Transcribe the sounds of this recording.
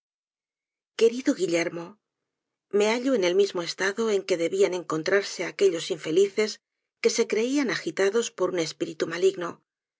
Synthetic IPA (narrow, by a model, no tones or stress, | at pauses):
ke̞ɾiðoɣiʎe̞ɾmo̞ | me̞aʎoene̞lmizmo̞e̞st̪aðo̞e̞ŋke̞ðe̞βiane̞ŋko̞nt̪ɾaɾse̞ake̞ʎo̞siɱfe̞liθe̞s | ke̞se̞kɾe̞ianaxit̪aðo̞spo̞ɾune̞spiɾit̪umaliɣno